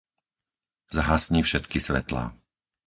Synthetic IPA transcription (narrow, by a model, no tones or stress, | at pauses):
zaɦasɲiːfʃɛt̪kisʋɛ̰t̪la̰ː